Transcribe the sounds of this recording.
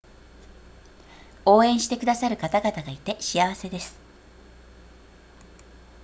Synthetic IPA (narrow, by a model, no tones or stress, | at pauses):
o̞ːẽ̞ɰ̃ɕi̥t̪e̞kɯ̟d̪asaɾɯ̟kat̪aɡat̪aɡait̪e̞ɕiaβ̞ase̞d̪e̞sɨ̥